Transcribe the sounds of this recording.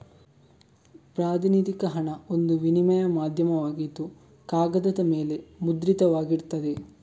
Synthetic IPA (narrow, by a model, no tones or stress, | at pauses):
pɾaːd̪inid̪ikɐɦɐɳɐond̪uʋinimɐjɐmaːd̪ʱjɐmɐʋaːɡit̪ːu | kaːɡɐd̪ɐd̪ɐmeːle̞mud̪ɾit̪ɐʋaːɡiɾt̪ɐd̪e